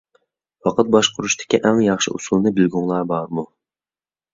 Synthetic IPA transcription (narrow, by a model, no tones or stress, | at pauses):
wɑqʰət̪̚bɑʃqʰʊɾuʃt̪ʰɪ̥kʲiʔæŋjɑχʃɪ̰ʔusulˠnɨbɪlɡuŋlˠɑːbɑɾmu